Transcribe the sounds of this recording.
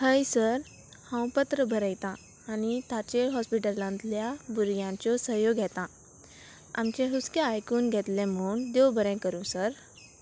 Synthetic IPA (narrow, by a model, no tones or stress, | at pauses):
həjsəɾ | hə̃wpət̪ɾəbʱəɾəjt̪ãː | nit̪at͡ɕeɦɔspiʈəlãnt̪ljabuɾɡjãt͡ɕɔsəjoɡʱjɛt̪ã | a̰mt͡ɕẽɦuskeajkuːnɡʱɛt̪lẽm̤uːɳd̪ɔwbʱəɾɛ̃kəɾũːsəɾ